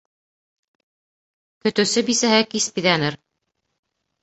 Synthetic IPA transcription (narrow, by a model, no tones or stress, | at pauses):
kɵ̆t̪ɘ̆sɘbisæɦɘkispiðænɘɾ